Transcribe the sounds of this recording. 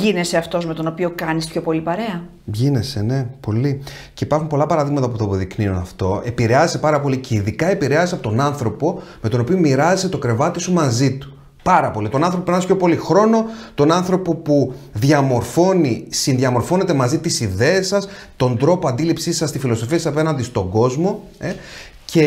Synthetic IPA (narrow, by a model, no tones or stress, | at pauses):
ʝine̞seɐft̪o̞zme̞t̪o̞no̞pio̞kɐnispço̞po̞lipɐɾe̞ɐ | ʝine̞sene̞po̞li | ceipɐɾxumpo̞lɐpɐɾɐðiɣmɐt̪ɐpuθɐːpoðikniunɐft̪o̞e̞piɾe̞ɐzese̞pɐɾɐpo̞lice̞iðikɐepiɾeɐzeseɐpo̞t̪nɐnθɾo̞po̞me̞t̪o̞no̞piomiɾɐzese̞t̪o̞kɾe̞vɐt̪isumɐzit̪u̥ | pɐɾɐpo̞lit̪o̞nɐnθɾopopnɐspço̞po̞lixɾo̞no̞t̪o̞nɐnθɾo̞po̞puðʝɐmo̞ɾfo̞nisinðʝɐmo̞ɾfo̞ne̞t̪e̞mɐzit̪isiðe̞ːsɐs | t̪o̞nd̪ɾo̞poɐnd̪ilipsisɐst̪ifilo̞so̞fiɐsɐsɐpe̞nɐnd̪ist̪o̞ŋɡo̞zmo̞ | e | ce̞